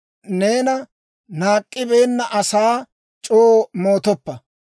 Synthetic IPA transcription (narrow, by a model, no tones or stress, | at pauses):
neːnɐ | naːkʼːɪbe̞ːnːɐʔɐsaː | t͡ʃʼoːmo̞ːt̪ɔpːɐ